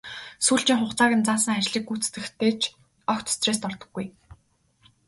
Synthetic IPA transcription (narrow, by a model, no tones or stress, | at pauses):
suːɮt͡ɕĭŋχʊχt͡saːɣʲɪ̆nt͡saːsə̆ŋat͡ɕɮiːk̚ːuːt͡st̪ɘ̆xt̪ʰeːt͡ɕʰ | ɔxt̪ʰɵ̥st͡sreːs̬t̪ɔrt̪ɞ̥̆ɡːuj